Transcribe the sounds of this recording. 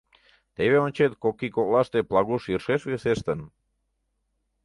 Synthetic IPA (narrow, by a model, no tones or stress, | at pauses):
t̪eβeonʲt͡ʃet̪̚kokikolast̪eplaɣuʃirʃesuesest̪ən